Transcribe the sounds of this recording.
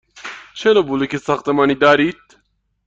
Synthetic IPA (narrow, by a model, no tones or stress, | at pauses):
t͡ʃʰelobulekesaxt̪ɐmaːnid̪aːɾit̪̚